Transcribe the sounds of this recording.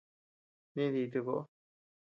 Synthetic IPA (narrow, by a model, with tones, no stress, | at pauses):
nĩ˦ði˧t̪u˧ko˧ʔo˦˧